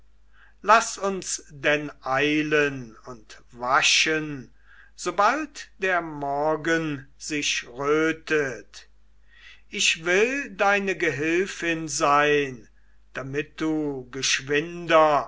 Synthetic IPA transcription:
lasʊnsdɛnʔaɪlənʊnt | vaʃən | z̥obaltd̥eːɐmɔɐɡənzɪʃʁøːtət | ʔɪʃvɪldaɪnəɡəɦɪlfɪnzaɪn | d̥amɪt̚d̥uːɡəʃv̥ɪndɐ

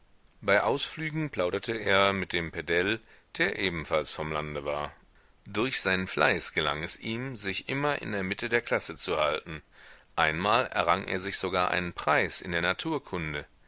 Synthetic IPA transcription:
b̥aɪʔaʊsflyːɡŋ̩pl̥aʊɾɐtʰəeːɐmɪt̚d̥eːmpʰɛdɛl | d̥eːɐʔeːbm̩falsfɔmlandəvaːɐ | dʊɐçz̥aɪnənfla̰ɪsɡ̥əla̰ŋɛsʔiːmzɪçʔɪmɐʔɪ̰ndeːɐmɪtʰədeːɐkʰl̥asət͡suhaltn̩ʔaɪnmaːlɛ̰ɐʁaŋʔḛːɐzɪçz̥oɡaːɐʔa̰ɪnənpʁ̥aɪsɪ̰ndeːɐnatʰuːɐkʰʊndə

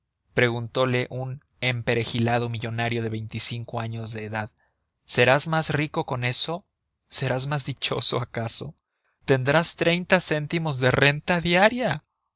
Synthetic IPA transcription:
pɾe̞ɣunt̪o̞le̞ʔun | e̞mpe̞ɾexilað̞o̞miʝo̞naɾjo̞ð̞e̞βe̞jnt̪isiŋko̞aɲo̞zðe̞ːðað | se̞ɾazmazriko̞ko̞ne̞so̞ | se̞ɾazmazðit͡ʃo̞̰so̞̰akaso | t̪e̞nd̪ɾast̪ɾe̞jnt̪ase̞nt̪imo̞zðe̞re̞nt̪aðjaɾja

